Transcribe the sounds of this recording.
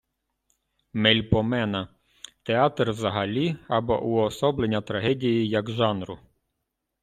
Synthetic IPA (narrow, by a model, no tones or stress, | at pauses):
mɛlʲpɔmɛnɐ | t̪eɑt̪rʋzɐɦɐlʲiɐbɔ̰ʔuɔsɔblenʲːɐt̪ɾɐɦɛdʲijijɐɡʒɑnɾʊ̰